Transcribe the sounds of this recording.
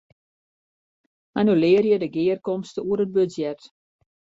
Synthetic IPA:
manylɪːərjədəɡɪːərkɔmstəuəɾət̚bøsjɛt

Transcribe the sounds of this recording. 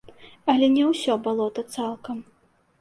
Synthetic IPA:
ɐlʲɛnʲɛwsʲɔbalˠɔt̪ɐt̪salˠkɐm

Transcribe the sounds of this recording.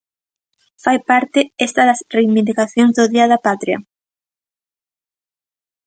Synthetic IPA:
fajpaɾt̪ɪest̪ɐðɐsrejβind̪ikaθjoŋzðoðiɐðɐpat̪ɾjɐ̰

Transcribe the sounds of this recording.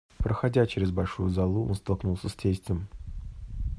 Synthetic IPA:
pɾəxɐdʲat͡ɕɪɾʲɪzbɐlʲʂujʊzɐlˠuʔonst̪ɐlˠknulˠsʲəsʲtʲesʲtʲɪm

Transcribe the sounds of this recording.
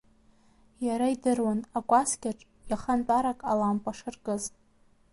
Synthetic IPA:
jaɾaidɨrwanakʷʼaskʲaʈ͡ʂʼ | jaχant͡pʼaɾakʼalampʼaʂɨrkʼɨz

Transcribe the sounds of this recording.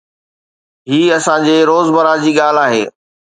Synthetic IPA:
ɦiːɐsãd͡ʑeːɾoːzbɐɾaːd͡ʑiːɠaːl̤aːɦeː

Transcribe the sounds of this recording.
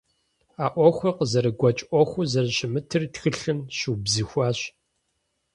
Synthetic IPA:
aːʔʷɔxʷɔqəzɐɾɨɡʷɔt͡ʃʼʔʷɔxʷʊzɐrɕɪmɨtʰɨrtxɨɬɨmɕuːbzixʷɑːɕ

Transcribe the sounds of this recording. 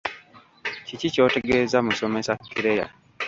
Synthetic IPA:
cicico̞ːte̞ɡeːzamuso̞mesakːiɾeja̰

